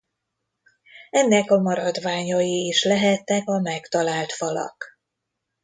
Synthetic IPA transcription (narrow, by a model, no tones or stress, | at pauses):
ɛnːɛkɒmɒɾɒd̪ʋaːɲɒjiːʃlɛɦɛt̪ːɛkɒmɛkt̪ɒlaːlt̪fɒlɒ̰k